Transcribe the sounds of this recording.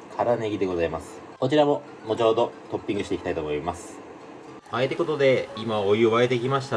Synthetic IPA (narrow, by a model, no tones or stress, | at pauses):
kʰaɾane̞ɡʲid̪e̞ɡo̞zaimasɨ̥ | ko̞t͡ɕiɾamo̞ | mo̞t͡ɕo̞ːd̪o̞t̪o̞pʲːĩŋɡɯ̟ɕit̪e̞ikʲi̥t̪ait̪omo̞imasɨ̥ | aet̪e̞ko̞t̪o̞d̪e̞imaojɯβaet̪e̞kʲimaɕi̥t̪a